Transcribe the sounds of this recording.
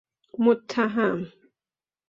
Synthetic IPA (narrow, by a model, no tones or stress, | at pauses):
mʊt̪ʰːaɦam